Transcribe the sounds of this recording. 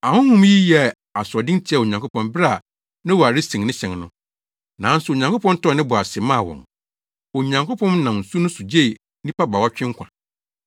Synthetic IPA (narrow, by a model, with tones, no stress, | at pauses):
ã˨hʊ̃˦hũ˦mji˦jɛ˦˨ | a˨sʊ˨ɔ˨dɪ̃˦n˦tʰɪ˦ɛ˦˨o˨ɲã˨ŋkʰo˦pʰɔ̃˨nbɾa˦˨ | nɪ̃˦wɔ˨a˨ɾɪ˦sĩ˨ŋnɪ̃˦ɕɛ̃˨ŋnʊ̃˦ | nã˨˦n̩˦sʊ˨o˨ɲã˨ŋkʰo˦pʰɔ̃˦n˦tɔ˦˨nɪ̃˦bʊ˨a˨sɪ˨mã˦˨wɔ̰̃˨ŋ | o˨ɲã˨ŋko˦pʰɔ̃˦mnã˨mn̩˨su˦nʊ̃˦su˨d͡ʑe˦˨˦ | nĩ˦pa˦ba˨wa˦t͡ɕᶣɪ̃˦ŋ˦kʷʰã̰˨